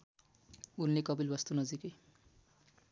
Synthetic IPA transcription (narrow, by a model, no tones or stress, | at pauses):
unlekʌbilbʌst̪unʌd͡zikʌj